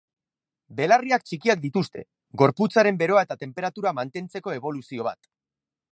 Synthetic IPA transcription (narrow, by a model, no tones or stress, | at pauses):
be̞lariakt͡ʃikiak̚d̪it̪ust̪e̞̰ | ɡo̞ɾput͡saɾe̞mbe̞ɾo̞ae̞t̪at̪e̞mpe̞ɾat̪uɾamant̪e̞nt͡se̞ko̞e̞β̞o̞lusio̞β̞a̰t̪